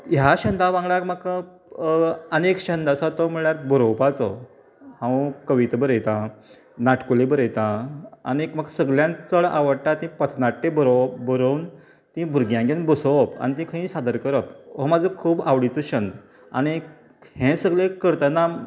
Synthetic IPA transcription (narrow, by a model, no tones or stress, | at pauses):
jaɕənd̪ʱaʋãŋɡɭakmak | ənekɕənd̪asat̪ɔm̤əɭɳjaɾbəɾowpat͡sɔ | hãwkəʋit̪bəɾəjt̪ã | naʈkulebəɾəjt̪ãa̰nikm̤aksəɡljãnt͡səɭa̰ʋəɽʈ̪at̪ĩpət̪ʰnaʈːebəɾobəɾəwn | t̪ĩbʱuɾɡjãɡenbəsopa̰ñit̪ĩkʰəĩːsad̪əɾkəɾəpʋɔmad͡zʱəkʰuːbaʋɽit͡səɕənd̪ | a̰ɽ̃i | hẽsəɡlekəɾt̪ana